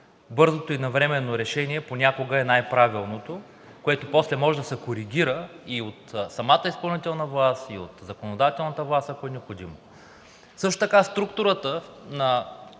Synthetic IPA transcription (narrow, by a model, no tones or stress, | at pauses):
bɤɾzot̪oinɐvɾɛmɛnːoɾɛʃɛniɛponʲakoɡəɛnajpɾavilˠnot̪o | koɛt̪oposlɛmɔʒɛd̪ɐsɛkoɾiɡʲiɾəiot̪sɐmat̪əispɐlˠnit̪ɛlˠnɐvlˠasio̰t̪zɐkonod̪at̪ɛlˠnɐt̪əvlˠasɐkoɛnɛopxod̪imo | sɤʃ̬t̪o̥t̪ɐkast̪ɾukt̪ʊɾət̪ənɐ